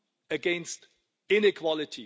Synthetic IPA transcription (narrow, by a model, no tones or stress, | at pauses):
əɡɛ̃nst | ɪ̃nɪkʰw̥ɑlɪtʰi